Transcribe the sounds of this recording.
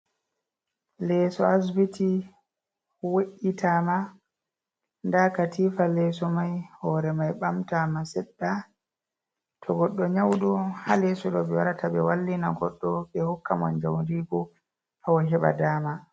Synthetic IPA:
lɛsɔas̬biti | weʔitʰama | ndakatʰiːfalɛsɔmajhɔɾɛmajɓamtamasɛɗːa | tʰɔɡɔɗːɔɲawɗɔhalɛsɔɗɔbɛwaɾatʰabɛwalːina̰ɡɔ̰ɗːɔɓɛhɔkːamɔ̰nd͡ʒawndiɡɔ | hawaɦɛɓa̰daːma

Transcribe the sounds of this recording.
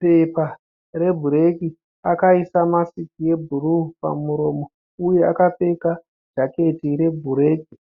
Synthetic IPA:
pe̞pa | re̞bʱuɾe̞ki | akaisamasikije̞bʱuruːpa̰muɾo̞ːmo̞ | uje̞akape̞ka | d͡ʒake̞tiɾe̞bʱuɾe̞ːki

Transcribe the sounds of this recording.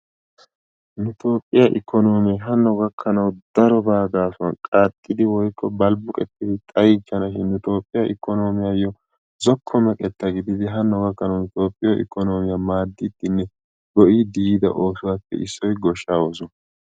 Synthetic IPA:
nʊt̪ʰo̞ːpʼːɪjaʔɪ̰kːɔno̞ːmɪjɛɦɐnːɔɡɐkʰːɐnɐwd̪̥ɐɾɔbaːɡaːsɔnkʼaːt̪ʼːɪd̪ɪwɔjkʰːɔbɐlbʊkʼɛt̪ːɪd̪ɪt̪ʼɐjɪt͡ʃːɐnɐʃɪnːʊt̪o̞ːpʼːɪjɐʔɪkːɔno̞ːmɪjajɔ | zɔkʰːɔmɛkʼɛt̪ːɐɡɪd̪ɪd̪ɪɦɐnːɔɡɐkːɐnɐwnʊt̪o̞ːpʼːɪjɔʔɪ̰kːɔno̞ːmɪjamaːd̪ːɪd̪ːɪnːɛ | ɡ̥ɔʔiːd̪iiːd̪ɐ̰ʔo̞ːsʊwaːpːɛ̰ʔɪsːɔjɡɔʃːaːwoːsɔn

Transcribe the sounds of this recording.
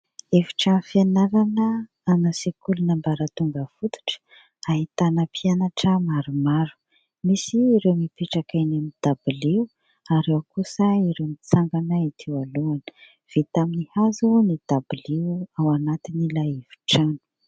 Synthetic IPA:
evi̥ʈ͡ʂanufianaɾanə | anasikulunəmbaɾət̪uŋɡəfut̪u̥ʈ͡ʂə̥ | aɦit̪anapʰianaʈ͡ʂəmaɾumaɾu̥ | misiːɾewmipeʈ͡ʂakajnemid̪̥abiliw | aɾewkusəiɾewmit͡saŋɡanait̪ʰiwaluanə̥ | v̥et̪aminihazunid̪̥abiliwawanat̪inilaev̥i̥ʈ͡ʂanu̥

